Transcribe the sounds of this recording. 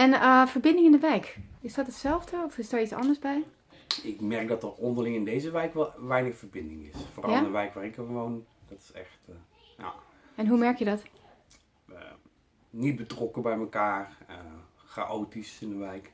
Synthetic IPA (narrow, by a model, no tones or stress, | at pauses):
ɛnəfəɹbɪ̃ndɪŋɪndəʋɛjkɪsd̥ɔtətsɛlˠfdəɔfɪsdaɹitsɑ̰ndəɹsbɛj | ɪkmɛɹk̚dɑtərɔndəɹlɪŋɪndejzəʋɛjkʋɛlˠʋɛjnəxfəɹbɪndɪ̰ŋɪ̰sfoːrɑlˠəʋɛjkʋaːrɪkəəʋondɔtɪ̥sɛ̰xt | ja̰ | ɛnɦumɛɹkjədɔt | ə | nit̚bətrɔkəbɛjməkaːrə | χa̰ʔowtisɪndənʋɛjk